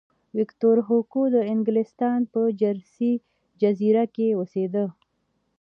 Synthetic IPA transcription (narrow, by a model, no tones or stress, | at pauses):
wɪkt̪oɾɦokod̪əɪŋɡlɪst̪ɑnpəd͡ʒaɾsi | d͡ʒaziɾakeosed̪ə